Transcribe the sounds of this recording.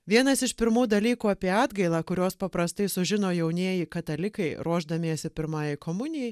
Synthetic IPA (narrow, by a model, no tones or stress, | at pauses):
ʋʲiɛnɐsɪʃpʲɪɾmuːd̪ɐlʲiːkuːɑːpʲiɛɑːd̪ɡɐɪlˠɑːkʊɾʲoːspɐpɾɐst̪ɐɪsʊʒʲɪnoːjɛʊnʲiɛjɪkɐt̪ɐlʲɪkɐɪɾuɔʒd̪ɐmʲiɛsʲɪpʲɪɾmɑːjɛɪkoːmʊnʲɪjɛ